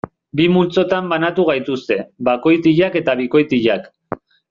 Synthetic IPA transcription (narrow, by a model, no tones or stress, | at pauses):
bimult͡so̞t̪ambanat̪uɣ̞ajt̪ust̪e̞bako̞jt̪iʎake̞t̪aβ̞iko̞jt̪iʎak